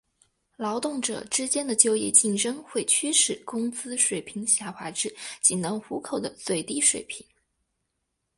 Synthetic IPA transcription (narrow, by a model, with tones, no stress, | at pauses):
lɑ˧˥ʊt̪ʊ˥˩ŋʈ͡ʂɤ̰˨˩ʈ͡ʂɻ̩˥t͡ɕjɛ˥nd̪ə˨t͡ɕjo˥ʊjɛ˥˧t͡ɕi˥˩nʈ͡ʂɤ˥ŋxwe˥˩ɪt͡ɕʰy˥ʂɻ̩˥˩kʊ˥ŋt͡sɹ̩˥ʂwe˨˩ɪpʰi˧˥ŋɕja˥˩xwa˧˥ʈ͡ʂɻ̩˥˩t͡ɕi˨˩ŋnɤ˧˥ŋxu˧˥kʰo˨˩ʊd̪ə˦t͡swe˥˩ɪt̪i˥ʂwḛ˨˩ɪpʰi˧˥ŋ